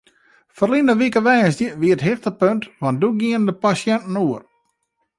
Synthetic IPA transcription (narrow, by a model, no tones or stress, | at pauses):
fərlinəʋikəʋɛːsdjəʋiətɦɪxtəpøntʋantduɡiəndəpasjɛntn̩uər